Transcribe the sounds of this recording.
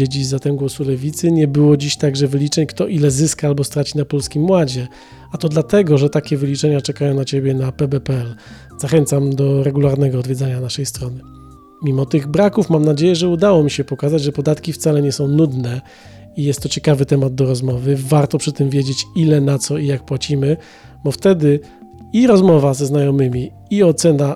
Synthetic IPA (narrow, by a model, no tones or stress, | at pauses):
ed͡ʑizat̪ɛmɡwɔsulɛvʲit̪sɘɲɛbɘwɔd͡ʑiɕt̪aɡʐɛvɘlʲit͡ʂɛɲkt̪ɔʔilɛzɘskaalbɔst̪ɾat͡ɕinapɔlskʲimwad͡ʑɛ | at̪ɔd̪lat̪ɛɡɔʐɛt̪akʲɛvɘlʲit͡ʂɛɲat͡ʂɛkajɔ̃w̃nat͡ɕebʲjɛnapɛbɛpɛɛl | z̥axɛnt̪samd̪ɔɾɛɡulaɾnɛɡɔɔːd̪vʲjɛd̪zaɲanaʂɛjst̪ɾɔnɘ | mʲimɔt̪ɘɣbɾakufmamnad͡ʑejɛʐɛud̪awɔmʲiɕɛpɔkazad͡ʑʐɛpɔd̪at̪kʲift̪salɛɲɛsɔ̃w̃nud̪nɛ | ijɛst̪ːɔt͡ɕɛkavɘt̪ɛmad̪̚d̪ɔɾɔzmɔvɘvaɾt̪ɔpʂɘt̪ɘmvʲjed͡ʑet͡ɕilɛnat̪sɔijak̚pwat͡ɕimɘ | bɔft̪ɛd̪ɘ | iɾɔzmɔvazɛznajɔmɘmʲi | iɔt̪sɛna